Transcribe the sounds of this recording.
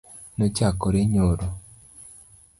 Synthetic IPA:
not͡ʃakoɾeɲoɾo

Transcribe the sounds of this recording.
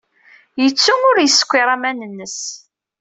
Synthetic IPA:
jət͡sːuŋʊɾjəsə̥kʷːiɾˤamænənːəs

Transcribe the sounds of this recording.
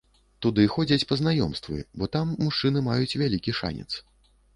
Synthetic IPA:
t̪ud̪ɨxɔd͡zʲɐt͡sʲpɐznajɔ̰mst̪vɨ̰bɔt̪amːuʂt͡ʂɨnɨmajut͡sʲvʲalʲikʲiʂa̰nʲɛ̰t̪s

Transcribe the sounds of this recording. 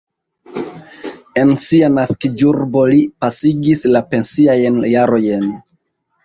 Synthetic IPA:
e̞nsianaskid͡ʒuɾbo̞lipasiɡislape̞nsiajnjaɾo̞jen

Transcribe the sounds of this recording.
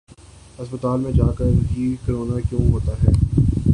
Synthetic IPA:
ɦɐspət̪aːlmẽd͡ʒaːkəɾɦikəɾoːnakjõːɦoːt̪aɦɛː

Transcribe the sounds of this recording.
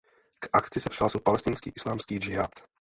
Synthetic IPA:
kakt̪t͡sisaɾalsupalɛst̪iːnskḭːʔislaːmskiːd͡ʒɪat̪

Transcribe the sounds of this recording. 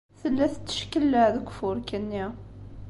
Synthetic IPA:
θəlːæθt̪ːə̥ʃkəlːəʕðəɡʷfʊɾkənːi

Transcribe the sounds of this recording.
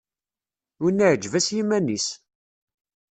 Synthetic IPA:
unːəʕəd͡ʒvæsjimænis

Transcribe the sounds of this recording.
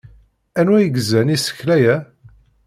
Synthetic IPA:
ænwæjəɡəzænisə̥çlæjæ

